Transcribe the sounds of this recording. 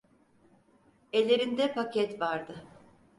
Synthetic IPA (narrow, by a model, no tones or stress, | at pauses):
e̞lʲeɾind̪ɛpacʰɛt̪vaɾd̪ɯ